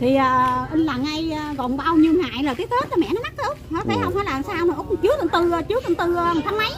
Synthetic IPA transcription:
t̪ʰi˨˩əː˨˩ʔə˧ŋlaː˨˩ŋʔa˧jːkɔ˧˨nɓaː˧wɲi˧wŋa̰ː˧˨jləː˨˩t̪i˦˥k̚t̪eː˦˥t̚t͡ɕɔ˧mɛ̰˧˨nɔ˨˦na˦˥k̚ɗɨ˨˩˥əhɔ̰˧˨˥faː˧˩jhə˧wŋ͡mfaː˧˦jlaː˨˩msaː˧wmə˨˩ʔo˦˥k͡p̚t͡ɕɨ˨˦ək̪ɨ̰˨˧˩t̪ɨ˨˩ə˨˩t͡ɕɨ˨˦ək̪ɨ˧˩nt̪ɨ˨˩əː˧˨˩t̪ʰa˧mma˨˦j

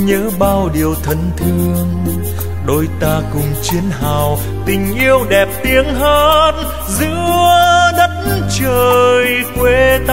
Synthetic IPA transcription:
ɲəː˨˦ɓaː˧wɗi˨˩əwt̪ʰə˨˩nt̪ʰɨ˧əŋ | ɗo˧jt̪aː˧kʊ˨˩ŋ͡mt͡ɕi˨˦ənɦaː˨˩w | t̪ï˨˩ŋ̟ʔi˧əwɗɛ˨˩p̚t̪i˨˦əŋɦə˧n | zɨ̰˧˥ | ɗə˦˥t̚nt͡ɕəː˨˩jkwe˧˦t̪

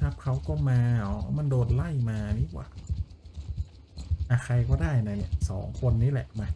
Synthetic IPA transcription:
t̪ʰa˦˥˩p̚kʰa˦˥wkɔː˥˩maː˧ɔ˨˦˧ma˧˨ndoː˧t̪̚la˥˩jmaː˧niː˦˥˩kwa̰ː˨˩ | ʔa˧xʰa˧jkɔː˥˩daː˥˩jna˧˩ni˧˩sɔː˩˦ŋkʰo˧nːiː˦˥lɛ̰˨˩ʔma˧˥

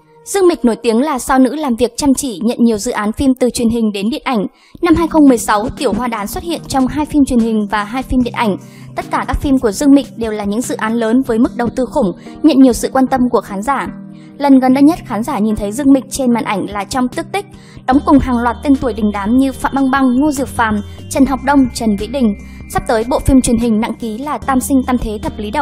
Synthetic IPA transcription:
zɨ˧əŋmï˨˩k̚no˧˩jt̪i˨˦əŋlaː˨˩saː˧wnɨ̰˧˥laː˨˩mvi˨˩ək̚t͡ɕa˧˩mt͡ɕi˧˩ɲə̰˧˨nɲi˨˩əwzɨ̰˧˨ʔaː˨˦nfi˧mt̪ɨ˨˩t͡ɕwi˨˩ənɦï˨˩ŋ̟ɗe˨˦nɗḭ˧˨ənʔa˧˩jŋ̟ | na˧mhɦaː˧jxə˧wŋ͡mmɨ˨˩əjsa˨˦wt̪i˧˩əwɦwaː˧ɗaː˨˦nswt̚hḭ˧˨ənt͡ɕɔ˧wŋ͡mɦaː˧jfi˧mt͡ɕwi˨˩ənhï˨˩ŋ̟vaː˨˩ɦaː˧jfi˧mɗḭ˧˨əʔa˧˩jŋ̟ | t̪ə˦˥t̚kaː˧˩kaː˦˥k̚fi˧mku˧˩əzɨ˧əŋmï˨˩k̟̚ɗe˨˩wlaː˨˩ɲɨ̰˧˥ŋzɨ̰˧˨ʔaː˨˦nləː˨˦nvəː˨˦jmɨ˦˥k̚ɗə˨˩wt̪ɨ˧xʊ˧˩ŋ͡m | ɲə̰˧˨nɲi˨˩əwsɨ̰˧˨kwaː˧nt̪ə˧mku˧˩əxaː˨˦nzaː˧˩ | lə˨˩nɣə˨˩nɗə˧ɲə˦˥t̚xaː˨˦nzaː˧˩ɲi˨˩nt̪ʰə˨˦jzɨ˧əŋmï˨˩k̟̚t͡ɕe˧nma̰ː˧˨nʔa˧˩jŋ̟laː˨˩t͡ɕɔ˧wŋ͡mt̪i˦˥ək̚t̪ï˦˥k̟̚ | ɗɔ˨˦wŋ͡mkʊ˨˩ŋ͡mɦaː˨˩ŋlwaː˨˩t̚t̪e˧nt̪u˨˧˩əjɗï˨˩ŋ̟ɗaː˨˦mɲɨ˧fa̰ː˧˨mɓa˧ŋɓa˧ŋŋo˧zi˨˩əp̚fa̰ː˧˨mt͡ɕə˨˩nɦɔ˨˩wk͡p̚ɗə˧wŋ͡mt͡ɕə˨˩nvḭ˧˥ɗï˨˩ŋ̟sa˦˥p̚t̪əː˨˦jɓo̰˧˨fi˧mt͡ɕwi˨˩ənɦï˨˩ŋ̟na̰˧˥ŋki˨˦laː˨˩t̪aː˧msï˧ŋ̟t̪aː˧mt̪ʰe˨˦t̪ʰə˨˩p̚li˨˦ɗə̰˧˩ww

